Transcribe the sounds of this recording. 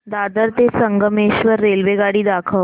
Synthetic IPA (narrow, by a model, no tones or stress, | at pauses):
d̪ad̪əɾt̪esəŋɡəmeɕʋəɾːelʋeɡaɽiːd̪akʰəʋ